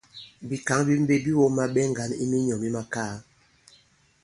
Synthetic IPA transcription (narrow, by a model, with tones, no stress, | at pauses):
bi˨ka˨˦ŋbi˦m̩˦be˦bi˦wo˦ma˦ɓɛ˦ŋ̩˨ɡa˨˦nḭ˦mi˦ɲɔ˨mi˦ma˦kaː˦